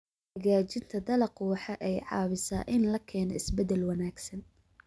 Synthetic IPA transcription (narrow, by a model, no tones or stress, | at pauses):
hɐɣaːt͡ʃɪnt̪ʰɐd̪ɐlɐqʊwɑħɑʔɛjʕɑ̰ːβɪsa̰ːʔɪnlɐkʰɛːnɔɪsbɛd̪ɛlwɐnaːɡsɐn